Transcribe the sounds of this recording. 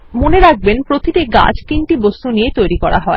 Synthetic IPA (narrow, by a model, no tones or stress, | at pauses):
moneɾak̚benpɾot̪ʰiʈ̪eɡa̰d͡ʑt̪inʈibost̪uniet̪ojɾikɔɾa̰ɦɔe